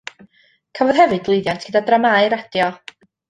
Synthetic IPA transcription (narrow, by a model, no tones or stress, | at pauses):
kʰavɔð̥ɦɛvɨd̚lˠejðjantʰɡ̥ədadramaɨɾad̥jɔ